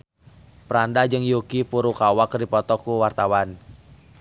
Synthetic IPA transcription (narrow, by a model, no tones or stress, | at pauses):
pəɾandad͡ʒɨŋjukipuɾukawakrdipɔt̪ɔkuwart̪awan